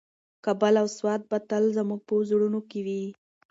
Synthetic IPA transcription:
kabalawswɑt̪̚bat̪əlzəmuɡ̚pəzuɽunokewi

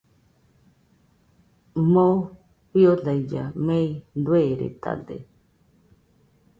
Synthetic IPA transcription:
mo | piodaid͡ʒamẽj̪d̪weɾḛt̪a̰d̪ḛ

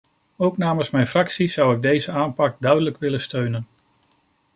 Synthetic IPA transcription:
owknaːmənsmɛjnfrɑksiz̥ʌwɪɡ̚dejzəaːnpɑk̚dœɥdələkʋɪlənstøɥnən

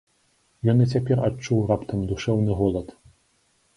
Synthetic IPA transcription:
jɔnɨt͡sʲapʲɛrat͡ʂːuwrapt̪ɐmd̪uʂɛwnɨɣɔlˠɐt̪

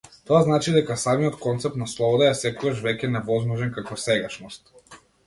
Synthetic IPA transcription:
t̪ɔaznat͡ʃid̪ɛkasamijɔt̪kɔnt̪sɛp̚t̪naslˠɔbɔd̪aɛsɛkɔɡaʃvɛcʲɛnɛvɔzmɔʒɛnkakɔsɛɡaʃnɔst̪

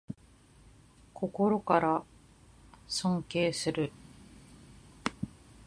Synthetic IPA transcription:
kʰo̞ko̞ɾo̞kaɾa | sõ̞ŋke̞ːsɨɾɯ̟

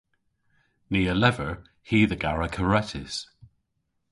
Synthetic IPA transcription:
niːəlɛvəɹ | hiːðəɡaɹəkʰəɹɛtʰɪz̥

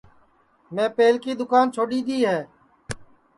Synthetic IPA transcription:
mẽːpeːlkiːd̪ʊkaːnt͡ʃʰoːɗiːd̪iːɦɛː

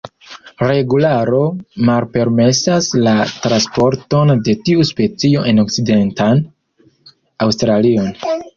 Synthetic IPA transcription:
ɾe̞ɡulaɾo̞malpe̞ɾme̞saslatɾanspo̞ɾto̞nde̞tiuspe̞t͡sio̞ʔe̞no̞kside̞ntan | awstɾalio̞n

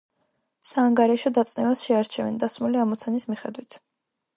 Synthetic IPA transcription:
saːŋɡaɾɛʃɔd̪at̪sʼnɛvasʃɛaɾt͡ʃʰɛvɛ̰nd̪asmuliamɔt̪sʰanismiχɛd̪wit̪ʰ

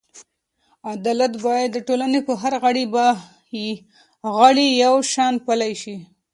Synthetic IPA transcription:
ad̪ɑlat̪ɡɑjad̪ːəʈolanepəɦaɾɣaɽiba | ji | ɣaɽijawʃɑnpalajʃi

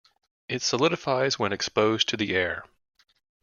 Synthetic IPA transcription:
ʔɨtsəlɪɾɨfaɪzwə̃nɨkspoʊztʰɨðiʔɛɹ

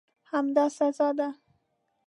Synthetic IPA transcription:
hamd̪ɑsazɑd̪a

